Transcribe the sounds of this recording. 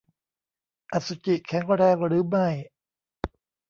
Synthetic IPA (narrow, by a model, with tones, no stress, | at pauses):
ʔa˨˩su˨˧˩t͡ɕi˨˩ʔkʰɛ˨˩˦ŋɾɛː˧ŋɾɯː˨˦ma˥˩j